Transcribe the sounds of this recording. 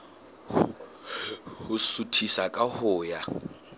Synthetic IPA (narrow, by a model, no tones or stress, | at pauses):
hʊsutʰisakʼahʊːja